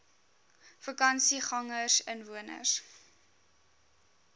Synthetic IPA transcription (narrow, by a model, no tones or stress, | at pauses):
fəkɐnsiχɐŋəsənvuənə̰s